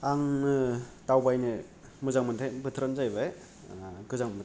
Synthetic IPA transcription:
aŋnɯtawbajnɯ | mɯzaŋmɯntʰajbɯtʰɾanzajbaj | ɡɯzaŋmɯn

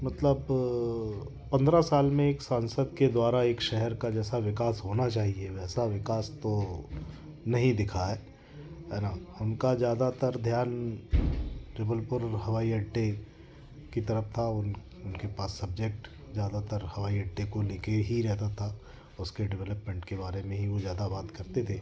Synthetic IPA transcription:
mɐt̪ləb | pɐ̃nd̪ɾasaːlmẽeːksaːnsəd̪̚ked̪waːɾaeːkʃɛɦɛɾkad͡ʒɛːsaʋɪkaːsɦoːnat͡ʃaːɦieʋɛːsaʋɪkaːst̪o | nɐɦĩd̪ɪkʰaɦɛː | ɦɛːnaʊnkazjaːd̪at̪əɾd̪ʱjaːn | d͡ʒɐbəlpʊɾɦɐʋaːiɐɖʈːe | kit̪ɐɾəft̪ʰaʊn | ʊnkepaːsːɐb̚d͡ʒek̚ʈ | zjaːd̪at̪əɾhɐʋaːiɐɖʈːekolɪkeɦiɾɛɦt̪at̪ʰa | ʊskeɖɪʋɛləpmẽːɳʈkebaːɾemẽɦiʋozjaːd̪abaːt̪kɐɾt̪et̪ʰeː

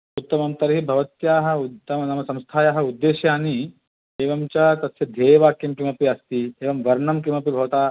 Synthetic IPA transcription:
ut̪ːɐmɐmt̪ɐɾɦibʱɐʋɐt̪jaːɦɐ̆uɐmɐnɐmɐsɐ̃mst̪ʰaːjaːɦɐ̆ud̪ːeːʃjaːni | eːʋɐmt͡ʃat̪ɐt̪ːɐd̪ʱeːʋaːkjɐmkimɐpiɐst̪ieːʋɐmʋɐɾɳɐmkimɐpibʱɐʋɐt̪aː

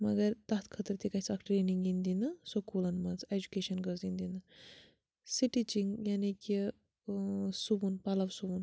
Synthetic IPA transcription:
mɐɡɐɾt̪ɐt̪kʰɐt̪əɾt̪ikɐt͡sʰɐkʈɾeːniŋɡind̪inɐsokulɐnmɐt͡sed͡ʒukeʃɐnɡəzind̪inɨ | siʈit͡ʃiŋjaːniki | subunpalɐʋsubun

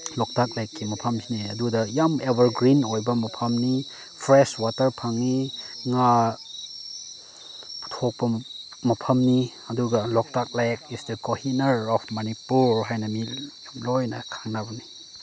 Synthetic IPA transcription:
lɔk̚tʰak̚lajkːimɐpʰɐmtʰiniɐdudɐjamebɐɾɡɾinojbɐmɐpʰɐmni | pʰɾeswatɐɾpʰaŋːiŋa | pu̥tʰok̚pɐ | mɐpʰɐmni | ɐduɡɐlɔk̚tak̚lajkisdekohinɐɾɔpʰmɐnipuɾɦajnɐmijamlojnɐkʰaŋnabɐni

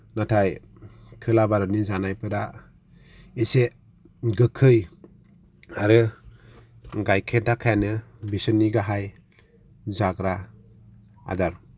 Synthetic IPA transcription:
natʰaj | kʰɯlabaɾɔnizanajpɯɾa | ise | ɡɯkʰɯj | aɾɯ | ɡajkʰedakʰajanɯbisɯnːiɡaɦaj | zaɡɾa | a̰daɾ

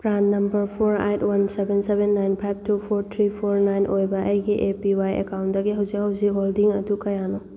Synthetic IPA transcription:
pɾanːɐmbɐɾpʰoɾḛjtwɐnsebensebenːajnpʰajb̚ʱtupʰoɾt̪ʰɾipʰoɾnajnʔojbɐʔɐjɡiʔepiwajḛkawntdɐɡiɦɐwzikhɐwzikɦoldiŋɐdukɐjano

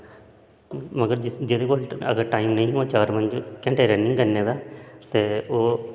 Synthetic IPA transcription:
məɡəɾd͡ʒɪd͡ʒɪd̪eːkoːlə̰ɡəɾʈaːimnəĩːɦuãːt͡ʃaːɾmənd͡ʒkɛ̃ːɳʈeːɾɛːnĩːkəɾneːd̪aːt̪eːoː

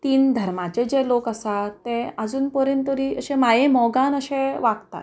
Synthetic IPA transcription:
t̪iːnd̪ʱəɾmat͡ɕed͡ʑelokəsat̪ːẽad͡zuːnpəɾent̪əɾiəɕẽmajemɔɡãnəɕẽʋaɡt̪a̰t̪

